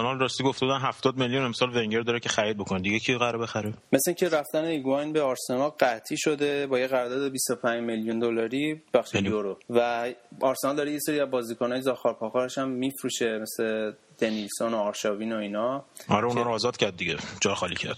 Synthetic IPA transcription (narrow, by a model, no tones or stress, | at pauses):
æmɒlrɒst̪iːɡoft̪eud̪ænɦæft̪ɒːd̪̚meljunemsɒːlveŋɟeɾd̪ɒːɾecʰexæɾiːd̪̚bokʰoned̪iɟecʰiɣæɾebexæɾemesiŋcʰe̞ɾæft̪æneiɡɒjnbeɒɾse̞nɒlɢæt̪ʰiʃo̞d̪e̞bɒːjeɣæɾd̪ɒːd̪ebist̪opʰæɲd͡ʒmeljund̪olɒɾibæxʃejoɾovæɒɾsenɒld̪ɒːɾejese̞ɾiæzbɒːzikʰonɒːjezɒxɒɾpʰɒxɒːɾeʃæmːifɾuʃe̞mesle | d̪̥enilsonoɒːɾʃɒviːnoinɒɒɾeunhɒːɾoːzɒːd̪̥cʰæɾd̪̚ːiɟed͡ʒɒɾxɒːlḭcʰæ̰ɾd̥̪